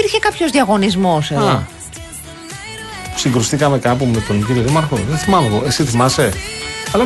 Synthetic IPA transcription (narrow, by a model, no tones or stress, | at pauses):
iɾçekɐpço̞zðiɐɣo̞nizmo̞seðɐo | siŋɡɾust̪ikɐme̞kɐpumet̪o̞nciɾjoðimɐɾxo̞̰ðeθimɐnoɣoe̞siθimɐse̞ɐlɐ